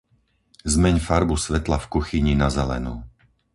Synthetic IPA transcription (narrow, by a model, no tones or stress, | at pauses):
zmɛɲfaɾbusʋɛt̪lafkuxiɲinazɛlɛ̰nṵː